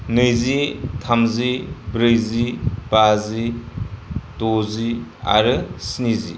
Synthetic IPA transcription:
nɯjzitʰamzibɾɯjzibazi | tozia̰ɾɯsinizḭ

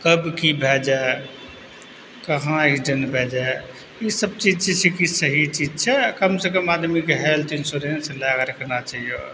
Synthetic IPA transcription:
kəbkibʱed͡ʒae | kəɦãid͡ʒənbʱed͡ʒae | isəb̚t͡ʃid͡ʒt͡ʃʰɛt͡ʃʰɛkisəɦit͡ʃid͡ʒt͡ʃʰɛkəmsekəmad̪mikeɦelt̪insuɾenslakɾəkʰnat͡ʃaɦijo̰

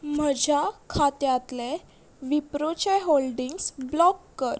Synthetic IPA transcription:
m̤əd͡ʑʱjakʰat̪jat̪le | ʋipɾot͡ɕeɦolɖiŋɡsblɔkːəɾ

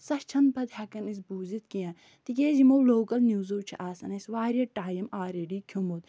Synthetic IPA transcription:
sɐʃt͡ʃʰɐnpɐd̪hɐkɐnis̬buːzit̪kijãː | t̪ikʲeːzimowloːkɐlnjuːzowt͡ʃʰḭʔaːsɐnɐsʋaːɾʲijɐʈaːjɐmaːɾeɖikʲʰjumoːt̪

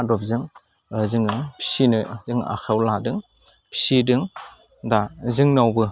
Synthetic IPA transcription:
adɔp̚zɯŋ | zɯŋɯpʰi̥sinɯzɯŋa̰kʰawladɯŋ | pʰi̥sidɯŋ | dazɯŋnawbɯ

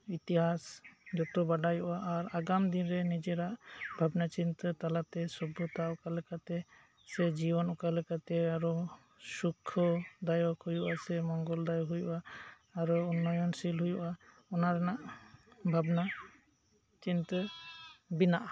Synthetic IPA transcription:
it̪iɦasd͡ʒɔt̪ɔbaɖajuʔaʔːɾaɡamd̪inɾɛnid͡ʒɛɾaʔbʱabnat͡ʃint̪ət̪alat̪ɛsɔbʱut̪aɔkalɛkat̪ɛ | sɛd͡ʒibɔnɔkalɛkat̪ɛaɾɔ | sukʰːɔd̪ajɔkhujuʔasɛmɔŋɡɔld̪ajɔɦujṵʔaː | ɾɔunːɔjɔnsilɦujuʔa | ɔnaɾɛnaʔbʱabna | t͡ʃint̪ə | binaʔa

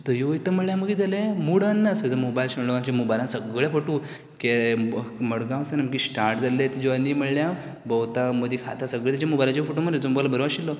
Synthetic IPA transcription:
t̪əjoʋit̪əm̤əɽljaməɡid̪alemuɽanːasəd͡zəmobajlɕəɳloant͡ɕamobajlãnsəɡɭjapəʈu | ke | məɽɡãwsənəmk̬isʈaɾʈd͡zalet̪ed͡ʑoanːim̤əɽlja | bəwt̪aməd̪ikʰa̰t̪ʰasəɡɭet̪at͡ɕamobajlat͡ɕefoʈoməet͡somobajlabəɾʋaɕilːɔ

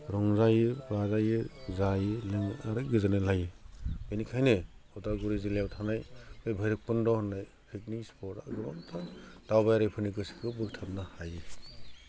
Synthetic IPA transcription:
ɾɔŋzajɯbɾazajɯzajɯleŋaɾɯɡɯzanɯlajɯbenikʰajneɔtaɡuɾizilewtʰanajnejbʱajɾɯk̚pɯndɔhnːaj | pʰik̚nispʰɔɾa̰ɡɯɾɔ̰ntʰad̥awbajɾajpʰɯnikɯsi̥kʰɯbɯk̚tʰap̚nahajɯ

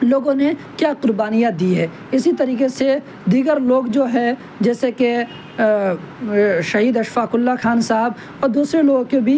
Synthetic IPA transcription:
loːɡõnekjaːqʊɾbaːnijət̚d̪iɦɛː | ɪsit̪ɐɾiːqese | d̪iːɡəɾloːɡd͡ʒoːɦɛ | d͡ʒɛːseke | ʃɐɦiːd̪ɐʃfaːkʊlːaxaːnsaɦb | ɔːɾd̪uːsɾeloːɡkebʱi

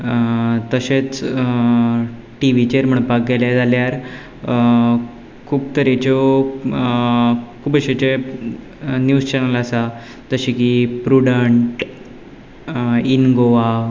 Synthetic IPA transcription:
t̪əɕet͡s | ʈiʋit͡ɕeɾm̤əɳpak̚ɡɛljed͡zaljaɾ | kʰuːbt̪əɾet͡ɕo | kʰuːbəɕet͡ɕe | njuːzt͡ɕɛnələsa | t̪əɕikipɾuɽəɳʈ | inɡoʋa

